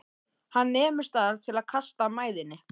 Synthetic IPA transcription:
hanːɛːmʏ̥st̪aɾt̪ʰjɪlaðkʰast̪amaːjðɪnːɪ

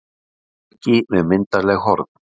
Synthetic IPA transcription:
ɛcɪmɛðmɪnt̪alɛɣhɔɾt̪n

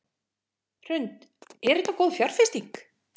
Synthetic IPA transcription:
r̥ʏnt̪ɛɾɛt̪ːakowðfjar̥fɪst̪ik

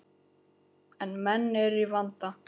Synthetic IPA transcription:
ɛnmɛnːɛɾivant̪a

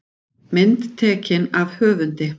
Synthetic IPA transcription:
mɪnt̪t̪ʰɛːcɪnavhœːvʏnt̪ɪ

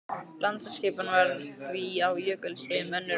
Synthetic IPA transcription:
lʔant̪saskɪːpanvaɾθviawjœːkʏlsɪmœnːɪ

